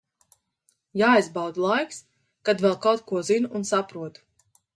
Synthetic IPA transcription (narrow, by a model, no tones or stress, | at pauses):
jaːjzbawd̪lˠajks | kad̪vɛlˠkawt̪̚kuɔzinunsapɾuɔt̪